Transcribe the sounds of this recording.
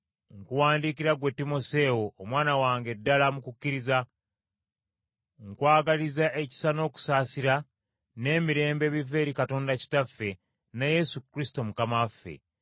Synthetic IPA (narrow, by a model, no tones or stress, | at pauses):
ŋkuwaːndiːkiɾaɡwe̞tːimo̞se̞oːmwaːnawaːŋɡe̞dːalamukukːiɾiza | ŋkwaːɡalizaʔeci̥sano̞ːku̥saːsiɾa | ne̞ːmiɾe̞ːmbe̞ːβive̞ːɾikato̞ːndaci̥tafːe̞ | naje̞sukɾisto̞mukamafːḛ